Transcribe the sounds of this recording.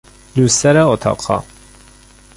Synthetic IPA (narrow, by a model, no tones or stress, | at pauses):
lusɛɾɛot̪ʰɑ̰qʰɑ̰